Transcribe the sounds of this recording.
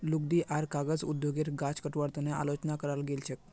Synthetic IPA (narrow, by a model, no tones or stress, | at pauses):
luɡ̚d̪iʔaɾkaɡəd͡zṵd̪joɡeɾɡat͡skəʈʋaɽt̪unea̰lot͡ɕnakəɾalɡelɕek̚